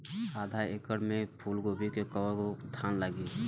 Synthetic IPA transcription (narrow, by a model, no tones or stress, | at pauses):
saːd̪ʱaekəɽmẽpʰuːlɡoːbʱikekəwəkot̪ʰaːnlaɡi